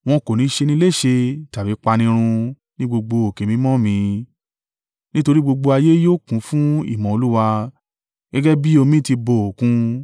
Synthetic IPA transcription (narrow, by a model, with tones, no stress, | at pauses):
w̃ɔ̃˧ko˨nĩ˨˦ʃe˧nĩ˦le˦˨ʃe˧ta˨bi˨˦k͡pa˧nĩ˧ɾ̃ũ˧ | nĩ˦ɡ͡bo˧ɡ͡bo˧o˨ke˨mĩ˧˦mɔ̃˦˨mĩ˧ | nĩ˦to˧ɾi˦ɡ͡bo˧ɡ͡bo˧a˧je˦joː˦˨kũ˨˦fũ˦ḭ˦˨mɔ̃˨o˧lu˦wa˧ | ɡɛ˦ɡɛ˦bi˦o˧mĩ˦ti˧bo˨o˨kũ˧